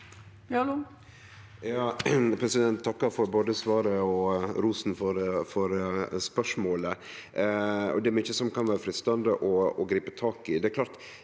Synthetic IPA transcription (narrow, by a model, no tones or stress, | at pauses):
l | jɑːpʰɾɛsɪd̪ɛnt̪ʰːɑkːəɾfɔɾboːd̪əsʋɑːɾəɔɾuːsn̩fɔɾfɔɾspœʂmoːlə | ɔ̰d̪ɛɛɾmyːçəsɔmkɑnʋæːɾəfɾɪst̪ɑnd̪əʔɔɔɡɾiːpət̪ʰɑːkɪd̪ɛklɑːɾt̪